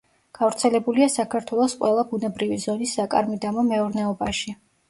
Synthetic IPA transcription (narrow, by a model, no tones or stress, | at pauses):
ɡ̥avɾt̪sʰɛlɛbuliasakʰaɾt̪ʰwɛlˠɔsqʼwɛlˠabunɛbɾivizɔnisːakʼa̰ɾmid̪amɔmɛɔɾnɛɔbaʃi